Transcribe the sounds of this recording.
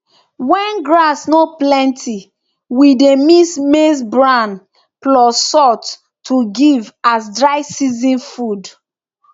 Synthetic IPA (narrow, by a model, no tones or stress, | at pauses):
wɛ̃nɡɹasnoplɛ̃ntʰi | widemismes̬bɹãn | plɔsɔt | tʰːuɡivasdɹaɪsizĩnfud